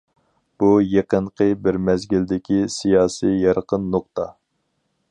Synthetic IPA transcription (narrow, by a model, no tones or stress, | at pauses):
b̥ujeqəɴqʰəbɪɾmɛzɡʲild̪ɪkʲisijɑːsijjɑɾqənːoqt̪ɑ